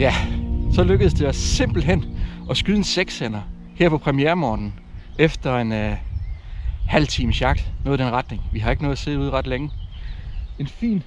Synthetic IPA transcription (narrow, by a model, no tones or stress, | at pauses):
jæsɒ̽løɡ̥əð̩ˠsd̥e̝ɒsːe̝m̰b̥l̩ɦen̰ɒ̽sɡ̥yðˠn̩seɡ̥sen̰ɐ | heɐ̰pʰɒ̽pʰʁɛmieɐmɒːd̥n̩ | efd̥ɐe̝n | hæl̰t͡sʰiːməsjɑ̈ɡ̥l̥nɔ̽ːð̩ˠd̥enʁɑ̈d̥ne̝ŋʋihɑ̈e̝ɡ̥nɔːð̩ˠse̝̰ːð̩ˠuð̞̰ˠʁɑ̈d̥leŋə | e̝nfḭːn